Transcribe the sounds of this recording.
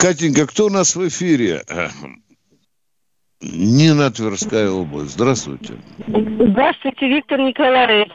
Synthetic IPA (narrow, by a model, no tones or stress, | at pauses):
kat̪̬ʲinʲkəkt̪oʊnasvɪfʲiɾʲɪ̰ | nʲɪnɐt̪vʲɪrskajəoblˠə̰sʲtʲzd̪ɾast̪vʊ̰jtʲɪ̰zd̪ɾast̪wʊjtʲeʋʲik̚t̪ərnʲɪkɐlˠaɾe